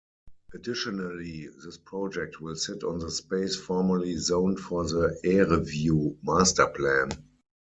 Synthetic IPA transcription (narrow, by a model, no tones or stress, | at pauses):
ʔadɪʃɔnaliðɪspʰɹɔd͡ʒɛk̚tʰwɪlsɪtɔ̃nðəspeɪsfɔɹməlizõʊ̃ntfɔðəɛɹivjuːmastə˞pʰlæ̃n